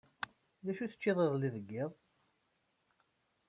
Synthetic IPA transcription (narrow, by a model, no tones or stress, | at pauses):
ðæʃuθə̥t͡ʃːɪðˤeʁlːiðəɡːɪðˤ